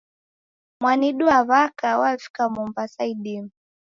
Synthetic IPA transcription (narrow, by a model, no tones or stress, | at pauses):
mwaniɗuaβakawalfi̥kamumbasaiɗimu